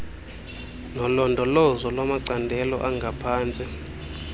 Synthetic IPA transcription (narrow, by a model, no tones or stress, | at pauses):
nɔlɔndʱɔlɔzɔlwamaǀandʱɛlɔ̰ʔaŋɡʱapʰaːnt͡sʼi